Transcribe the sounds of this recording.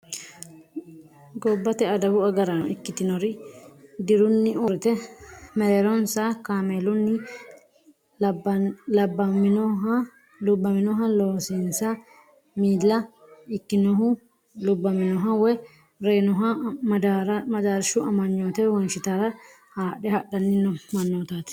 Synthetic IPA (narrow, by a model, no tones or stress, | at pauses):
ɡɔbːɐt̪ɛɐd̪ɐbʊɐɡɐɾɐɪkːɪt̪ɪnɔɾɪd̪ɪɾʊnːɪɔɾɪt̪ɛmɛɾɛɾɔnsakaːmeːlʊnːɪ | lɐbːɐmɪnɔɦ | lʊbːɐmɪnɔɦɐloːsinsɐ | miːlːɐ | ɪkːɪnɔɦʊ | lʊbːɐmɪnɔɦɐwɛ | ɾeːnɔɦɐd̪ɾmɐd̪aːɾɪʃʊɐmɐɲːoːt̪ɛwɔnʃɪt̪aːɾɐ | haːɗɛhɐɗɐnːɪnːɔmɐnːoːt̪aːt̪